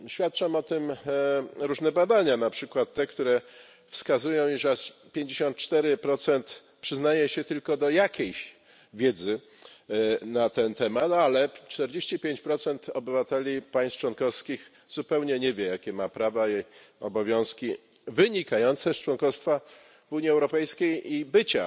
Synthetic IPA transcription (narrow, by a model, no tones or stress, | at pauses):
ɕfʲjat̪̚t͡ʂamɔt̪ɘm | ɾuʐnɛbad̪aɲanapʂɘkwat̪ːɛkt̪uɾɛ | fskazujɔ̃w̃iʐɛspʲjeɲd͡ʑeɕɔnt̪̚t͡ʂt̪ɛɾɘpɾɔt̪sɛnt̪ | pʂɘznajɛɕɛt̪ɘlkɔd̪ɔjakʲʰejɕ | vʲjɛd̪zɘ | nat̪ɛnt̪ɛmat̪alɛt͡ʂt̪ɛɾd͡ʑeɕt͡ɕipʲjeɲt͡ɕpɾɔt̪sɛnt̪ɔbɘvat̪ɛlʲipaj̃st͡ʂwɔnkɔfskʲix | z̥upɛwɲɛɲɛvʲjɛjakʲɛmapɾava | ɔbɔvʲjɔ̃w̃skʲi | vɘɲikajɔnt̪sɛst͡ʂwɔnkɔst̪fa | vuɲiɛwɾɔpɛjskʲejibɘt͡ɕa